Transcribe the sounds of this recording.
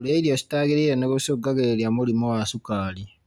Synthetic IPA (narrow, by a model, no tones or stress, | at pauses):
uleiɾjosi̥taːɡiɾijenokusoɡaɡeɾeljamulimowasukaːli